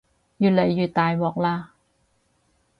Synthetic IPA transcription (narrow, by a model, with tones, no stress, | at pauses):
jyː˨˩t̚lɐ˨˩˦jːyː˨˩t̪̚ːaː˨jwɔː˨˩k̚laː˧